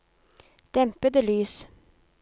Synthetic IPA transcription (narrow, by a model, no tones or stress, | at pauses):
d̪̥ɛmpəd̪əlyːs